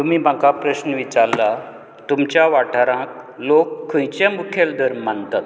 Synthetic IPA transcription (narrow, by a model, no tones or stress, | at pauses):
t̪umiːbʱãkapɾəɕnəʋit͡ɕaɾla | t̪umt͡ɕjaʋaʈʰaɾãk̚lokʰːə̃jt͡ɕẽmukʰeld̪ʱəɾmːant̪at̪